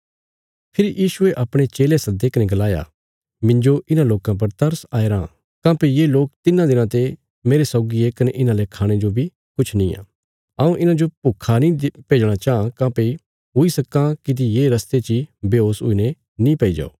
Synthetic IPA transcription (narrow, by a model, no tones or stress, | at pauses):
pʰɪɾijiːʃʊeʔɐpɽ̃et͡ʃeːlesɐd̪eːkɐnɛɡɐlaːja̰ | mɪ̃ɲd͡ʒoʔɪnãloːkãp̬ɐɾt̪ɐɾsaːeɾãː | kãːpejeloːk̚t̪ɪnãd̪ɪnãt̪e | meːɾesɔʊɡiekɐnɛʔɪnãlekʰaːɽ̃ed͡ʒobʱi | kʊt͡ʃʰnĩã̰ː | aũʔɪnãd͡ʒopʊkʰːanĩpeːd͡ʒɽ̃at͡ʃaːãkãːpe | ɦʊisɐkãkit̪̬ijeːɾɐst̪et͡ʃibeoːsɦʊ̰ːine | nĩpɐid͡ʒa̰ːo̰ː